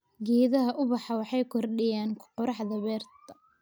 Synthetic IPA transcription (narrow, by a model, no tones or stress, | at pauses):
ɡiːðɐɦɐʔʊβɑħɑwɑħɑjkʰɔrɗɪjaːnqɔɾɑħðɐβɛːrt̪ʰɐ̥